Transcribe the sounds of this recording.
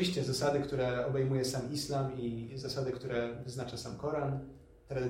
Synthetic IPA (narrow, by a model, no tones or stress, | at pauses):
iɕt͡ɕɛzasad̪ɘkt̪uɾɛɔbɛjmujɛsamislamizasad̪ɘkt̪uɾɛvɘznat͡ʂasamkɔɾan | t̪ɾad̪ɘ